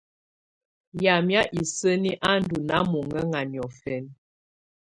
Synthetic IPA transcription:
ja˨mja˦ʔi˨sə˦ni˦ʔa˦n˦du˨na˦mo˨ŋə˦ŋa˨njɔ˨fɛ˨˦n

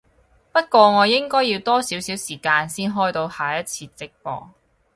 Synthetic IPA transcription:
pɐ˥t̚kʷɔː˧ŋɔː˨˧jɪ˥ŋkɔː˥jːiː˧wt̪ɔː˥siː˨˥wsiː˨˥wsiː˨˩kaː˧nsiː˥nɦɔː˥jt̪o˧whaː˨jɐ˥t̚t͡sʰiː˧t͡sɪ˥k̚pɔ̰ː˧

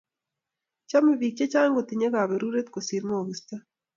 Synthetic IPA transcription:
t͡ʃa˦mi˨βi˨k̚t͡ʃe˦t͡ʃaː˦ŋɡo˨t̪iɲe˦ɣa˨βɛ˨ɾu˦ɾe˦t̪̚kosi˨ɾmo˨ɣista˦

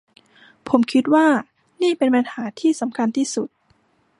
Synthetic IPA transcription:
pʰo˩˦mkʰi˦˥t̪̚waː˥˩ | niː˥˩pe˧npa˧nhaː˩˦t̪ʰiː˥˩sa˩˦mkʰa˧nt̪ʰiː˥˩su˨˩t̪̚

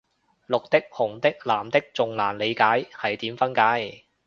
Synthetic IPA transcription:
lʊ˨k̚t̪ɪ˥k̚hʊ˨˩ŋt̪ɪ˥k̚laː˨˩mt̪ɪ˥k̚t͡sʊ˨ŋlaː˨˩nle˨˧jkaː˨˥jhɐ˨jt̪iː˨˥mfɐ˥nkaː˨˥j

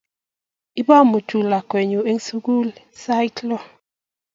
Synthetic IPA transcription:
i˦bɔ˦mu˨tu˨la˨kwɛ˨ɲu˨e˦ŋ˦su˦ɡu˦lsa˦jklɔ˦

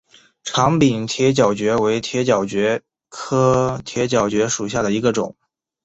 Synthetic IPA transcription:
ʈ͡ʂʰɑ˧˥ŋpi˨˩nt̪ʰjɛ˧˥t͡ɕjɑ˨˩ʊt͡ɕɥɛ˧˥we˧˥ɪt̪ʰjɛ˧˥t͡ɕjɑ˨˩ʊt͡ɕɥɛ˧˥ | kʰɤ˥t̪ʰjɛ˧˥t͡ɕjɑ˨˩ʊt͡ɕɥɛ˧˥ʂu˨˩ɕja˥˩d̪ə˩i˧˥ɡə˧ʈ͡ʂʊ̰˨˩˦ŋ

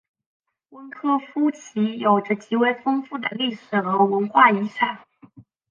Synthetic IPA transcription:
wə˥nkʰɤ˥fu˥t͡ɕʰi˧˥jo˨˩ʊʈ͡ʂə˧t͡ɕi˧˥we˥˩ɪfɤ˥ŋfu˥˩d̪ə̰˩li˥˩ʂɻ̩˨˩xə˧˥wə˧˥nxwa˥˩i˧˥ʂʰa˨˩˦ŋ

